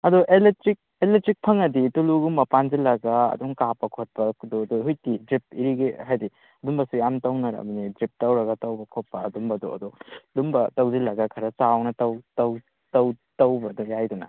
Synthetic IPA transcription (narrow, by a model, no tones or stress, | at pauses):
ɐdɔʔeletɾik̚ | eletɾik̚pʰɐŋɐdituluɡumbɐpanzilɐɡaɐ̰duŋkapːɐkʰot̚pɐdɔdɔɦujtidɾip̚iɾiɡiɦajdi | ɐdumbɐsujamtɐwnɐɾɐ̰bɐnidɾip̚tɐwɾɐɡɐtɐwbɐkʰot̚pːɐɐdumbɐdṵɐ̰dɔdumbɐtɐwzilɐɡɐkʰɐɾɐsawnɐtɐwtɐw | tɐw | tɐwbɐdɔjajdunɐ̰